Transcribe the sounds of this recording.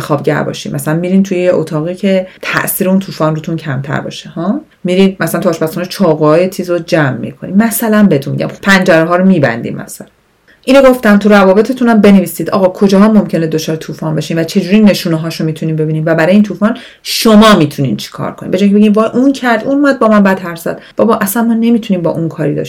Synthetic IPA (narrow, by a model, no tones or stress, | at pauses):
xɒːbɟæ̰ɾbɒ̰ːʃḭmmʔæsælænmiːɾint̪ʰujejeʔot̪ʰɒːɣiːcʰe̞t̪ʰæ̰ʔsiːɾeunt̪ʰuːfɒːnrut̪ʰuncʰæmt̪ʰæ̰ɾbɒ̰ːʃehɒː | miɾiːmæsælænt̪uhːʃpæsxunet͡ʃʰɒːɣoɒːjet͡ʃʰiːzod͡ʒæmːḭkʰo̞̰nḭmæsælænbeet̪ʰunmḭɟæ̰mpʰænd͡ʒæɾeɦɒːɾomiːbæ̰nd̪ḭmmæ̰sælæn | ʔiːnoɡo̞ft̪æmt̪ʰuɾævɒːbe̞t̪ʰe̞t̪ʰunæmbe̞neviːsiːd̪ʔɒ̰ːɣɒkʰo̞d͡ʒɒːɦɒːmːomcʰened̪ot͡ʃʰɒːɾet̪ʰuːfɒːnbeʃiːmvæt͡ʃʰe̞d͡ʒuːɾinːe̞ʃuːneɦɒːʃomiːt̪ʰuniːmbe̞biːniːmvæbæɾɒjeiːnt̪ʰuːfɒn | ʃomɒːmiːt̪ʰunḭːnt͡ʃʰi̥kʰɒ̰ɾkʰo̞nḭmbed͡ʒɔjŋʲcʰebeɟimvɒːjʔuncʰæɾd̪ʔunumæd̪̚bɒːmænbæd̪̥hæɾsæ̰d̪̥b̥ɒbɒʔæsænmɒːne̞mit̪ʰuniːmbɒ̰ːʔunkʰɒːɾiːd̪ɒ̰ːʃ